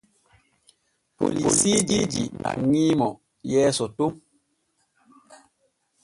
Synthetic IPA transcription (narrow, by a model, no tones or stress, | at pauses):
po̰lisid͡ʒid͡ʒḭa̰ŋimɔ | jɛːsɔtom